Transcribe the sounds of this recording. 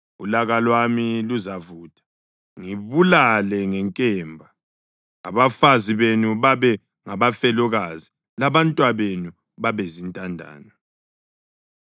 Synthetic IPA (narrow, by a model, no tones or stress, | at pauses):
ṵlaɣalwamiluzavuːtʼḁ | ŋiβulalɛŋɛŋkʼɛːmbʱa | a̰βafaziβenuβaβɛ | ŋaβafɛlɔɣazi | laβantʼwaβenu | βaβɛzintʼandʱa̰ːnɔ